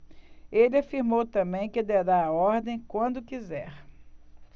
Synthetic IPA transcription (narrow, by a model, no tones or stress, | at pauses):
elɪafiɾmowt̪ɐ̃mbẽj̃kɪd̪ɛɾaaɔɾd̪ẽj̃kwɐ̃nd̪ʊkizɛɾ